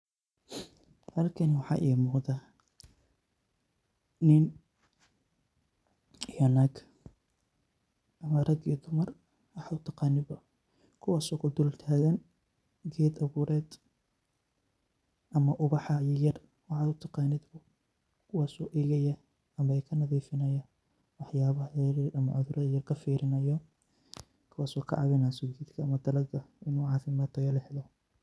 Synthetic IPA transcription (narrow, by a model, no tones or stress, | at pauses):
hɐlkʰɐnwɑħɑ̰ːʔiːmʊːqd̪a | ɪn | jɐnɐɡ | ʔɐmaɾɐɡiːd̪ʊmɐr | wɑħaʊt̪ʰɑqɑːnɪbɐ | kʰʊwɑːsɔːkʰʊd̪ʊllt̪ʰaːɣɐn | ɡɛːd̪ɐβuːɾɛːd̪ | ʔɐmɐʔʊβɑħɑjɔjɐr | wɑʕɑd̪ʊt̪ʰɑqɑːnɪd̪bʊ | kʰʊwɑːsɔːʔɛːɣɐjɐ | ɐmɐɛjkʰɐnɐðiːfɪnɐjɐ | wɑħjaːβɐɦrɾɐmɐʕʊðʊɾɐðɐjɐrkʰɐfiːɾɪnɐjɔ | kʰʊwɑːsɔːkʰɐ̰ʕɑβɛnaːsɔɡɛːd̪kʰɐːmɐd̪ɐlɐɡɐɪnuʕɑːfɪmaːt̪ʰɔjɐlɪħlɔ